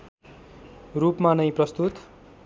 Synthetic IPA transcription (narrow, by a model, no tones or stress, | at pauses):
rupmanʌj̃prʌst̪ut̪